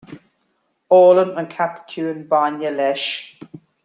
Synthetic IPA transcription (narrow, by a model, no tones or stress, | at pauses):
ɔːlənənkʰapkʰjuːənbanjəlɛʃ